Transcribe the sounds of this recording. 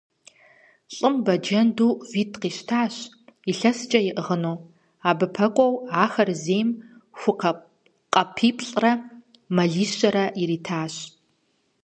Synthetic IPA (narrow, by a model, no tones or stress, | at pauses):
ɬʼɨmbɐd͡ʒɐnduːviːtʰqiːʃtʰaːɕ | iɬɐsɨt͡ʃʼɐjɪʔəʁənoː | aːbɨpʰɐkʷʼɔwaːxɐrzeːjmxʷʊ | qʼɐpʰiːpʰɬʼrɐ | mɐɮiːɕɐɾɐiɾiːtʰaːɕ